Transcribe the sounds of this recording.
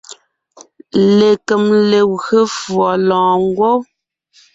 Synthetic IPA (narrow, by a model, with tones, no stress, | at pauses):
le˨kə˨mle˨ɣə˨fwɔ˨lɔ̃ː˨ŋ˦ɡwo˦